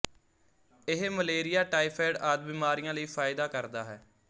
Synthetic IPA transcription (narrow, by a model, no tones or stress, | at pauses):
ɪɦməleːɾɪjaːʈaːiːpʰɛːɖaːd̪̚biːmaːɾijãːləiːfʰaːɪd̪aːkəɾd̪aːɦɛː